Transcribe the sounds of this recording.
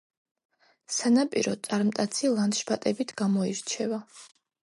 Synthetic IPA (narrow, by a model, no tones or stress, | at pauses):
sanapʼḭɾɔt̪sʼaɾmt̪ʼat̪sʰilˠant̪ʃbat̪ʼɛbit̪ʰɡ̥amɔiɾt͡ʃʰɛva